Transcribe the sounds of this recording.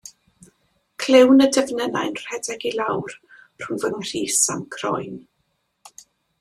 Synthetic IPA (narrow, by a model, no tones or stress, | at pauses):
kʰlɪwnədəvnɛna̰jnr̥ɛdɛɡilˠawr | r̥ʊnvənr̥iːsamkʰrɔ̰jn